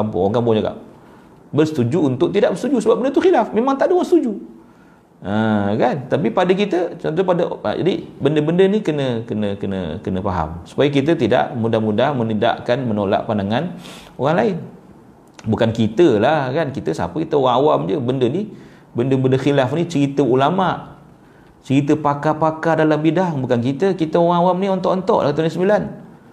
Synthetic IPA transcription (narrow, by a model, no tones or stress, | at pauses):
kampʊ̰ŋoŋkampud͡ʒaɡa̰ʔ | bərsət̪ud͡ʒuunt̪ʊʔt̪idaʔbərsət̪ud͡ʒusəbap̚bəndət̪uxilafmemaŋt̪aʔdəoɣaŋsət̪ud͡ʒu | əkant̪apipadək̬it̪ət͡ʃɔnt̪̬opadə̰d͡ʒa̰dibəndəbəndənikənəkənəkənə̰kənəpaɦa̰msu̥pajək̬it̪̬ət̪ida̰ʔmudahmudahmənəda̰ʔkanmənola̰ʔpandaŋan | oɣaŋlaɪn | bukankit̪əlahkankit̪əsa̰pəkit̪əoɣaŋawamd͡ʒəbəndəni | bəndəbəndəxilafnit͡ʃəɾit̪əulamaʔ | t͡ʃəɾit̪̬əpakapakadalambidaŋbukankit̪əkit̪əoɣaŋawamniɔnt̪ɔʔɔnt̪ɔʔlaht̪unəsəmbilan